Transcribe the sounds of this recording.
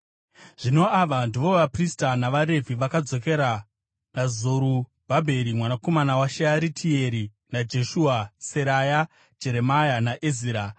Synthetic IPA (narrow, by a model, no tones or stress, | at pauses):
ʐ̥ino̞aʋandiʋo̞ʋapristanaʋaɾe̞vʱiʋakad͡zo̞ke̞ɾa | nazoɾu | b̥ʱabʱe̞ɾimwanako̞manawaʃeaɾitʰie̞ɾi | nad͡ʒe̞ʃuase̞ɾaja | d͡ʒe̞ɾe̞majanaʔeziːɾa